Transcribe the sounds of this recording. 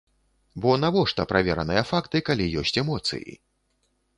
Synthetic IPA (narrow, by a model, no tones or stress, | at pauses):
bɔnavɔʂt̪ɐpɾʔavʲɛɾɐnɨjɐfakt̪ɨkalʲijɔsʲt͡sʲɛmɔt̪sɨ̰jḭ